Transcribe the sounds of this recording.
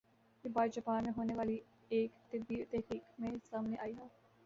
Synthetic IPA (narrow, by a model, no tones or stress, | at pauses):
kibaːd͡ʒɐpaːnmẽɦoːneʋaːli | eːkt̪ɪbiːt̪ɛɦkiːkmẽsaːmneʔaːiɦɛː